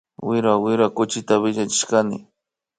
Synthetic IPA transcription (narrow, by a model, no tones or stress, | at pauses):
wɪɾawɪɾakʊt͡ʃɪt̪aβɪʎat͡ʃɪ̥ʃkanɪ̰